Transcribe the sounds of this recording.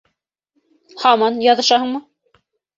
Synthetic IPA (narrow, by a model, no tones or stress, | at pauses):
hɑmɑnjɑðɤ̆ʃɑhɤɴmɤ